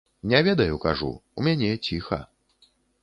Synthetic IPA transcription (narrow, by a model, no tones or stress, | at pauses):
nʲɛvʲɛd̪ɐjukaʐṵumʲanʲɛt͡sʲixɐ̰